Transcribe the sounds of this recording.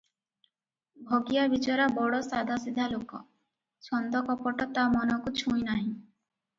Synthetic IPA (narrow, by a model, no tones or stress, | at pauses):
bʱɔɡijabit͡ʃɔɾabɔɽɔsad̪ʱasid̪ʱalokɔ | sɔnd̪ɔkɔpɔʈɔt̪amɔnɔkut͡ʃʰũjnaɦĩ